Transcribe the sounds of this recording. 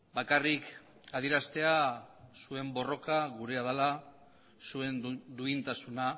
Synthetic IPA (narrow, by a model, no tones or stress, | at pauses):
bakarik | aðjeɾast̪e̞asue̞mbo̞ro̞kaɣuɾe̞aðala | sue̞nd̪uint̪asuna